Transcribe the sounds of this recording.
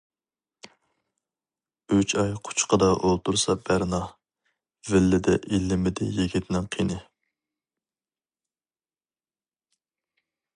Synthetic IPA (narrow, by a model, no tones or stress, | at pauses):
yt͡ʃʰɑjqʰʊ̥t͡ʃʰqəd̪ɑʔolˠt̪ʰuɾsɑbæɾnɑ | vɪlːɪd̪ɛʔilːɪmɪd̪ɪjiɡʲit̪ʰnɪŋqʰinɨ